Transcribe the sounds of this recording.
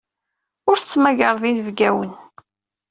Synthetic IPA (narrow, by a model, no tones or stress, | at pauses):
ʊɾθət͡sːmæʝəɾˤðˤinəvɡæwən